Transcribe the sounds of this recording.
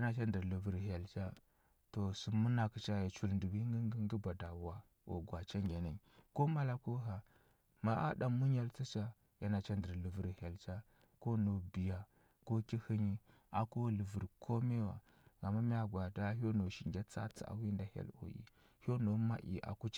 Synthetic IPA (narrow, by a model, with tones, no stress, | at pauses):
a˦na˦t͡ʃa˦ndə˨ɾlə˨vi˨ɾɦa˨lt͡ʃa˦ | to˨su˨mu˦na˨kə˨t͡ʃa˦ja˨t͡ʃu˨lndu˨bi˦ŋɡi˦ŋɡə˦ŋɡə˦ba˨da˨wa˨ | o̰˨ɡwa˨t͡ʃa˦ŋɡʲa˨na˨ko˦ma˦la˦ko˦ɦa˨ | ma˨a̰˦ɗa˨mu˦ɲa˦lt͡si˦t͡ʃa˦ | ja˦na˨t͡ʃa˦ndə˨ɾlu˨və˨ɾha˨lt͡ʃa˦ | ko˦no˨bi˨ja˨ | ko˦ki˦hi˦ɲi˦ | a˨ko˦lə˨və˨ɾkʰo˦me˦wa̰˨ | ɡa˨ma˦mi˦a˦˨ɡwa˨ta˦ɦo˦no˨ʃi˨ŋɡʲa˦t͡sa̰˦t͡si˦a̰˨wi˦nda˨ha̰˦lo̰˨jḭ˨ | ho˦no˨ma˦ʔḭ˨ʔa̰˨ku˦